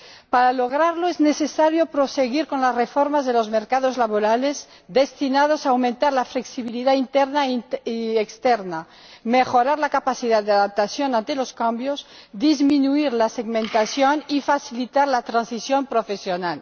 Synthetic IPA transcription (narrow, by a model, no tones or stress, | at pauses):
paɾaloɣ̞ɾaɾloeznesesaɾjopɾoseɣiɾko̞nlasrefoɾmazðelozmeɾkaðozlaβoɾalez | d̪est̪inað̞osaːwmẽnt̪aɾlafleksiβiliðaint̪eɾna | ekst̪eɾna | mexoɾaɾlakapasiðaðd̪eaðap̚t̪asjonãnt̪eloskambjozd̪izmĩnuiɾlaseɣmẽnt̪asjonifasilit̪aɾlat̪ɾansisjompɾofesjonal